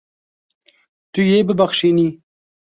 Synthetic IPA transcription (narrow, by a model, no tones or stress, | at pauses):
t̪ujebəbaxʃini